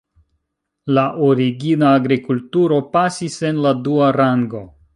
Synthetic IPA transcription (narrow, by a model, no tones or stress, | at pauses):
laʔoɾiɡinaːɡɾikultuɾo̞pasise̞nladuaɾaŋɡo̞